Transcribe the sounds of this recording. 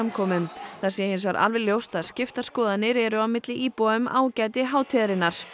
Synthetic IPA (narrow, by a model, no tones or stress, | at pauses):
amkʰɔːmʏmθasjɛhɪnsvaɾʔa̰lvɛljowst̪aðscɪft̪askɔːðanːɪɾɛɾʏawmɪt̪lɪʔiːpɔʏmʔa̰ːwcaːjt̪̬ɪɦaːwt̪ʰɛðɾɪnːaɾ̥